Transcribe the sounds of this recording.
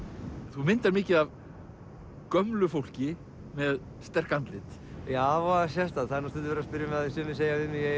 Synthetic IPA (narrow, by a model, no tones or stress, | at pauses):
θumɪnt̪aɾmɪːcɪðav | kœmlʏfowl̥cɪ | mɛð | st̪ɛr̥kant̪lɪt̪ | jaːvɔasjɛst̪aðθaðɾnust̪ɪlt̪ɪvɛɾaspɪɾjamɛðaðɪsɪnːɪseːjaɪnɪjɛ